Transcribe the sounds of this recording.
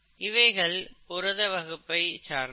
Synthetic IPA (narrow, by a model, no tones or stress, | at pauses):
ʔɪʋɐɪɣɐɭpʊɾɐðɐʋɐɣɯpːɐɪt͡ʃaːɾ